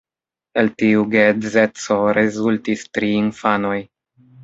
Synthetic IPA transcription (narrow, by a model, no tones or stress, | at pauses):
e̞ltiuɡezet͡so̞ɾezultistɾiːnfano̞j